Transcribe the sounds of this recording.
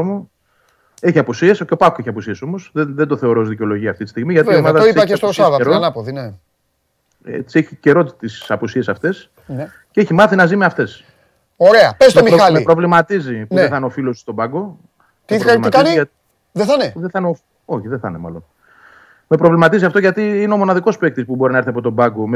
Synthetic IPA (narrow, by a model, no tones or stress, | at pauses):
omu | e̞çiɐpusie̞socopɐkoeçiɐpusie̞so̞mo̞sðeðed̪oθe̞o̞ɾo̞sðiceo̞lo̞ʝiɐft̪it̪ist̪iɣmiʝɐt̪iomɐðɐoiɐkest̪osɐðɐeɾoɐnɐpoðine | ḛt͡sieçice̞ɾo̞t̪it̪isɐpusie̞sɐft̪e̞s | n | ceeçimɐθinɐzimeɐft̪e̞s | oɾeɐpesmoemiɾoxɐlmeipɾo̞vlimɐt̪izipueθɐnofilo̞sst̪o̞bɐɡo̞ | t̪eiθɾɐɾimɐtzniɐt̪ | ðeθɐnepuðeθɐnof | o̞çiðeθɐ̰nemɐ̰lo̞n | me̞pɾo̞vlimɐt̪iziɐft̪o̞ʝɐt̪iineo̞mo̞nɐðiko̞spek̚t̪ispubo̞ɾinɐeɾθiɐpot̪o̞bɐɡo̞me